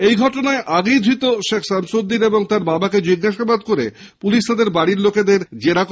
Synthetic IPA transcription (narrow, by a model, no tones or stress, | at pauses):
ejɡʱɔʈonaeʔaɡejd̪ʱɾit̪oʃekʰʃamsod̪ːineboŋt̪aɾbabaked͡ʑiɡːaʃabad̪̚koɾḛpuliʃt̪ad̪eɾbaɽiɾloked̪eɾd͡ʑeɾak